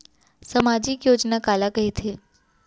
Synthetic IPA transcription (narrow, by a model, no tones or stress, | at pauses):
səmad͡ʒikjoːd͡ʒnakalakəɦit̪ʰe